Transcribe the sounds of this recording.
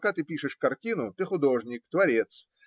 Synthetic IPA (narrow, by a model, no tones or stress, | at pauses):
kat̪ɨpʲiʂɨʂkɐrtʲinʊt̪ɨxʊd̪o̞ʐnʲɪk̚t̪vɐɾʲet̪s